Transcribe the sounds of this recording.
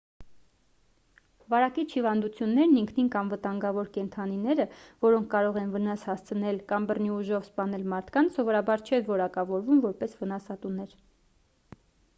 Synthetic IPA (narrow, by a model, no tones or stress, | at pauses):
vɑɾɑkit͡ʃʰhivɑnd̪ut͡sʰjunːɛɾniŋkʰniŋkɑmvət̪ɑŋɡɑvɔɾkɛnt̪ʰɑninɛɾəvɔɾɔŋkʰkɑɾɔʁɛnvənɑshɑst͡sʰənɛlkɑmbərniuʒɔvspɑnɛlmɑɾt̪ʰkɑnt͡sʰsɔvɔɾɑbɑɾt͡ʃʰɛvɔɾɑkɑvɔɾvumvɔɾpɛsvənɑsɑt̪unɛɾ